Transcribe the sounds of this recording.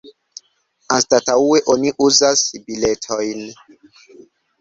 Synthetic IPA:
astataue̞ʔoniʔuzasbile̞tʰojn

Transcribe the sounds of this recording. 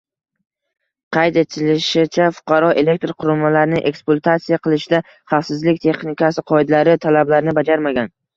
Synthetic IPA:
qʰɑjt̪e̞t̪ʰɪlɪʃɪt͡ʃʰafʊ̥qʰɑɾɒʔe̞le̞k̚ʲt̪ɾqʰʊɾʊmalaɾɪnɪʔe̞̰ksplˠat̪ʰat̪sijaqʰɨlˠɪʃɪd̪a | χɑfsɪzlɪkʲt̪ʰe̞χnɪkʰʲasɪqʰɒɪd̪alaɾɪt̪ʰalablaɾɪnɪbad͡ʒaɾmaɡʲan

